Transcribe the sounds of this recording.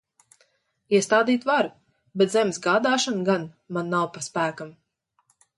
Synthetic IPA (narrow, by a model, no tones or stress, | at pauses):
iɛst̪aːd̪iːt̪vaɾ | bɛt̪zɛmsɡaːd̪aːʃanɡan | manːawpaspæːkam